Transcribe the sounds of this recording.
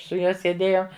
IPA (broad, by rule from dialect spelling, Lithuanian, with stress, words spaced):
sʊ ˈjuɔ sʲeːˈdʲeːjoːm